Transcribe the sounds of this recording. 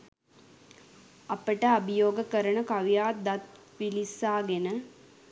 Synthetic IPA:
ɐpəʈəɐbijoːɡəkəɾəɳəkɐʋijaːd̪ɐt̪̚ʋilisaːɡenə

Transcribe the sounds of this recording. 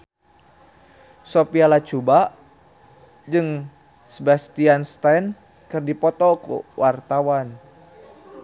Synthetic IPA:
sopialat͡ʃubaʔ | d͡ʒɨŋ | səbast̪ianst̪ajn | kɨrdipɔt̪ɔkṵwart̪awan

